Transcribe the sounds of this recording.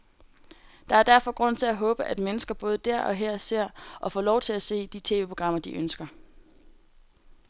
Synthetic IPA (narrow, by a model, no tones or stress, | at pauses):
d̥ɑ̈æɐd̥æɐfɒ̽ɡ̥ʁɔ̽n̰t͡sʰe̝læɦɔ̽ːb̥əʔæd̥menəsɡ̥ɐb̥ɔ̽ːð̞̩ˠd̥æɐ̰ʔɒ̽ɦɛɐ̰se̝ɐ̰ʔɒ̽fɒ̰ːlɒʊt͡sʰe̝læse̝̰ːd̥it͡sʰe̝ːʋe̝ːpʰo̝ɡ̥ʁɑ̈m̰ɐd̥iʔønsɡ̥ɐ